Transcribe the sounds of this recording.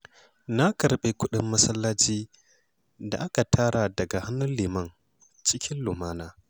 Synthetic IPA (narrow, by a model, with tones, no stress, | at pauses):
na˦kɐ˨ɾɓe˦kʷʊ˦ɗɪ˦mːɐ˦sɐ˦lːaː˦t͡ʃiː˦ | da̰˨ʔa˦ka˨tʰaː˦ɽa˨dɐ˨ɡa˨ha˦nːʊ˦lliː˨mɐ˦n | t͡ʃɪ˦kʲɪ˦nlʊ˨maː˦naː˦